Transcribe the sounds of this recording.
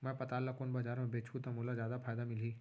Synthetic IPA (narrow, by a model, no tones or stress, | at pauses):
mɛ̃pɐt̪aːlːakoːnbaːd͡ʒaːɾmẽbeːt͡ʃʰut̪amoːlazjaːd̪apʰaːjd̪amɪliː